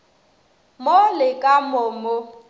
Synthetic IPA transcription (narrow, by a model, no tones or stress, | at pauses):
molɪkʼamʊːmʊ